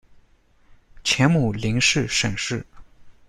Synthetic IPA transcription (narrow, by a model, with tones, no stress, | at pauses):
t͡ɕʰjɛ˧˥nmu˨˩li˧˥ŋʂɻ̩˥˩ʂə˨˩ŋʂɻ̩˥˩